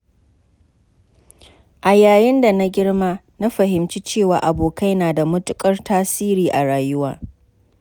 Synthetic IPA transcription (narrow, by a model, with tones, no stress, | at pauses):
ʔa˨jaː˨jɪ˦nda˨na˦ɡʲɪ˦ɽma˦ | na˦ɸɐ˨ɦɪ˨mt͡ʃi˦t͡ʃeː˦˨waː˨ʔa˨boː˨ka˦jnaː˨da˨mʊ˦tʊ˦kʼɐ˦rtʰaː˦siː˦ɾiː˨ʔa˨ɽaː˨jʊ˦wa̰ː˨